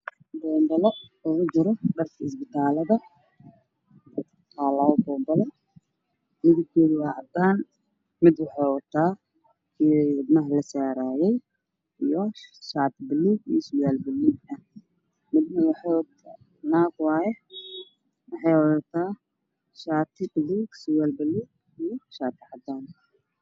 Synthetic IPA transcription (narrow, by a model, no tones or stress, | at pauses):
bɔːmbɐlɔɔɣʊd͡ʒɪɾɔɖɐrkʰɐɪs̬bɪt̪ʰaːlɐðɐ | aːlawbɔːmbɐlɔ | mɪɣɪtk̪ʰɛːðɪwɑːʕɑd̪aːn | mɪd̪wɑħɑjwɐt̪ʰːaː | kʰiɪd̪nɐɦlɐsaːɾaːjɛj | ijɔʃaːt̪ɪbɪliɡiːsʊwalbɪliɡɐ | mɪd̪nɐwaħɔwt̪ʰ | naːɡwaːjɛ | wɑħɛjwɔɐt̪ʰaː | ʃaːt̪ʰɪbɪliɡsʊwaːlbɪliːɡ | ijɔʃaːt̪ʰɪʕad̪aːn